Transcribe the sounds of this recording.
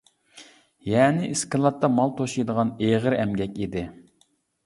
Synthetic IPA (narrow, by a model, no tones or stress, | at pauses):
jɛːnɪʔiskɨlˠɑt̪ːɑmɑlˠt̪ʰoʃijd̪əʁɑneʁəɾɛmɡʲɛkʲid̪ɪ